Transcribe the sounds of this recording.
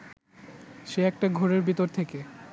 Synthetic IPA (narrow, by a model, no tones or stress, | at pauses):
ʃeɛk̚ʈaɡʱoɾeɾbʱit̪oɾt̪ʰeke